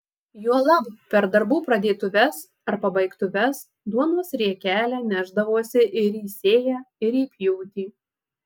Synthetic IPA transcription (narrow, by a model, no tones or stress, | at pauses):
juɔlˠɐbpʲɛɾd̪ɐɾbuːpɾɐd̪ʲeːt̪ʊʋʲɛs | ɐɾpɐbɐɪkt̪ʊʋʲɛs | d̪uɔnoɔsɾʲiɛkʲæːlʲæːnʲæʒd̪ɐʋuɔsʲɪʔɪɾiːsʲeːjæːɪɾiːpʲjʊʊt̪ʲiː